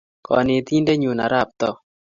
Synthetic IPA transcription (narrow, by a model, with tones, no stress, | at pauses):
kɔ̰˨nɪ˨t̪i˦nde˦ɲu˨na̰˨ɾa˦˨p̚t̪ɔ˦